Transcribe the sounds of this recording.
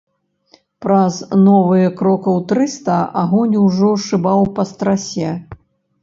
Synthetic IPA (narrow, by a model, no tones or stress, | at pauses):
pɾɐznɔvɨjɛkɾɔkɐwt̪ɾɨst̪ɐaɣɔnʲwʐɔʂɨbawpɐst̪ɾasʲɛ